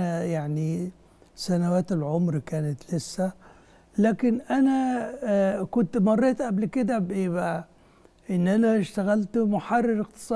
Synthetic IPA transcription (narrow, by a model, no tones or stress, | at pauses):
jaʕni | sænawaːt̪ɪlʕomɾkæːnɪt̪lɪsːæ | læːkɪnʔænæ | kʊnt̪mɑrˤːeːt̪ʔæblkɪd̪æbbæ | ʔɪnːʔænæʃt̪æɣælt̪mʊħɑrˤːɑɾɪqt̪ɨ̥sˤɑː